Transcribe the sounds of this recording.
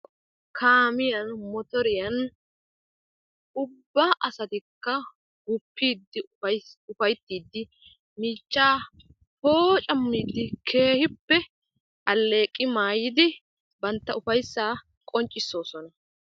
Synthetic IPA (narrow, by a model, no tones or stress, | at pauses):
kʰaːmɪjɐnmɔt̪ɔɾɪjɐn | ʊbːɐʔɐsɐt̪ɪkːɐ | ɡʊpːiːd̪ːɪʊfɐjt̪ːiːd̪ːɪ | miːt͡ʃːaː | hoːt͡ʃʼɐmːiːd̪ːɪkʰe̞ːhɪpːɛ | ʔɐlːe̞ːkʼːɪmaːjɪd̪ɪ | bɐnt̪ːɐʊfɐjsːaː | kʼɔnt͡ʃʼːɪsːo̞ːsɔnɐ